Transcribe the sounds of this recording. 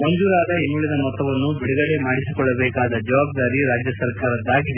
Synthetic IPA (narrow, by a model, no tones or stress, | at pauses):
moɲd͡ʒuːɾaːd̪ɐinːuːɭid̪ɐmɔt̪ːɐʋɐnːubiɽuɡɐɽe̞maːɽisikɔɭːɐbɛːkaːd̪ɐd͡ʒɐʋaːb̚d̪aːɾiɾaːd͡ʒjɐsɐɾkaːɾɐd̪ːaːɡid̪e